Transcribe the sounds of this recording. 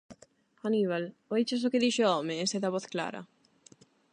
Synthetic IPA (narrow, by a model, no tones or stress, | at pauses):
anivalɔit͡ʃes̬oked̪iʃeɔmeːseðaβɔθkla̰ːɾa̰